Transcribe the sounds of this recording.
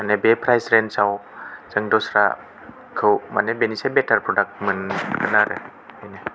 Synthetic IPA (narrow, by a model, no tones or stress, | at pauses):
manebepʰɾajsɾensawzɯŋdɔsɾa̰ | kʰɯwma̰nebenisebetʰaɾpɾɔdak̚t̚mɯnkʰɯnaɾɯ̰ | hajnɯ